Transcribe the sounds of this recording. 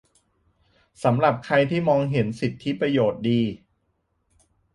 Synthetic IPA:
sa˩˦mɾa˨˩p̚kʰa˧jt̪ʰiː˥˩mɔː˧ŋɦe˩˦nsi˨˩t̪ʰːi˦˥pɾa˧joː˨˩t̪̚diː˧

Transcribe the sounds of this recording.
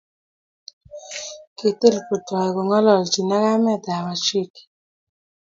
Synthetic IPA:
ke˨t̪e˦˨lpu˨tɔ˨ko˨ŋɔ˦lɔ˨lt͡ʃi˨na˦ka˦mɛ˦˨da˨wa˨t͡ʃi˦˨k

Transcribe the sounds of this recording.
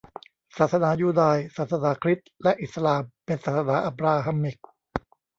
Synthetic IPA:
saː˨˩t̪̚sa˧naː˩˦juː˧˩daː˧jsaː˨˩t̪̚sa˧naː˩˦kʰɾi˦˥t̪̚lɛ˦˥ʔi˨˩t̪̚sa˧laː˧mpe˧nsaː˨˩t̪̚sa˧naː˩˦ʔa˧˩pɾaː˧ɦa˧mːi˨˩k̚

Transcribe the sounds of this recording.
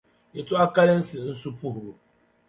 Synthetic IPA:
jɛ˨tʊ˦a˦ka˦lɪ˦n̩˦sɪ˨nɨ˦n̩˦su˦pu˦ɦʊ˨ɾʊ˨

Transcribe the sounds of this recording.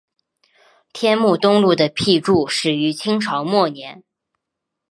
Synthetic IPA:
t̪ʰjɛ˥nmu˥˩t̪ʊ˥ŋlu˥˩d̪ə˩pʰi˥˧ʈ͡ʂu˥˩ʂɻ̩˨˩y˧˥t͡ɕʰi˥ŋʈ͡ʂʰɑ˧˥ʊmwɔ˥˩njɛ˧˥n

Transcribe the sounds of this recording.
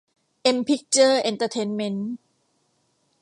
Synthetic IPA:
ʔe˧mpʰi˦˥k̚t͡ɕəː˥˩ʔe˧nt̪əː˧t̪ʰe˧nme˧˥n

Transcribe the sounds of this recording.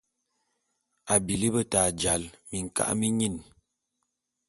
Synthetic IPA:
a˨bi˨li˦bə˦taː˨d͡ʒa˨˦lmi˨ŋ̩˨ka̰˦ʔmi˦ɲi˦˨n

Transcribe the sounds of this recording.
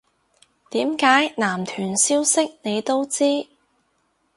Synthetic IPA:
t̪iː˨˥mkaː˨˥jnaː˨˩mt̪ʰyː˨˩nsiː˥wsɪ˥k̚ne˨˧jt̪o˥wt͡siː˥

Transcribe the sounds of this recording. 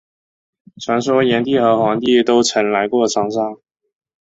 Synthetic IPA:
t͡sʰwa˧˥ns̬wɔ˥jɛ˧˥nt̪i˥˩xɤ˧˥xwɑ˧˥ŋt̪i˥˩t̪o˥ʊt͡sʰə˧˥nla˧˥ɪkwɔ˥˩ʈ͡ʂʰɑ˧˥ŋʂɑ˥ŋ

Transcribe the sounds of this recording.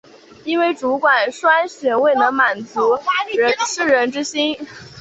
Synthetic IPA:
i˥nwe˥˩ɪʈ͡ʂu˧˥kwa˨˩nʂwa˥nɕɥɛ˨˩we˥˩ɪnə˧˥ŋma˨˩nt͡su˧˥ɻə˧˥nsɹ̩˥˩ɻə˧˥nʈ͡ʂɻ̩˥ɕi˥n

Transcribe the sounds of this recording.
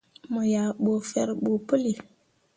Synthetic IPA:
mo˨ja˨ɓo˨fɛ˦ɾɓo˨pə˦li˨

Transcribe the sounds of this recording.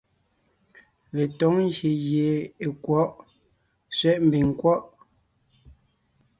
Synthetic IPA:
le˨tɔ˨˦ŋ˦ɣje˨ɣje˨e˨kwɔ˨˦ʔ | sɥɛ˦ʔm̩˨bi˨ŋ˨kwɔ˦ʔ

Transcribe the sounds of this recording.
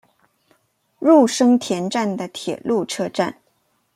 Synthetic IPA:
ɻu˥˩ʂɤ˥ŋt̪ʰjɛ˧˥nʈ͡ʂa˥˩nd̪ə˩t̪ʰjɛ˨˩lu˥˩ʈ͡ʂʰɤ˥ʈ͡ʂa̰˥˩n

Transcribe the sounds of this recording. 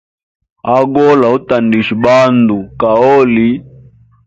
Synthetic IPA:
a˦ɡɔ˦la˨u˦ta˨ndi˨ʃi˨ɓa˦ndu˨ka˨ɔ˦li˦

